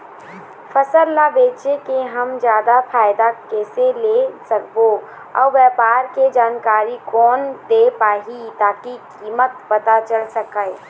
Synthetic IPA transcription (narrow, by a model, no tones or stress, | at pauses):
pʰəsəlːabeːt͡ʃekeɦəmd͡ʒjaːd̪apʰaːɪd̪akɛːselesəkbo | ɔ̰ːɾʋjɛpaːɾked͡ʒaːnkaːɾikɔːnd̪epaːɦit̪aːkikiːmət̪̚pət̪at͡ʃəlsəkəɪ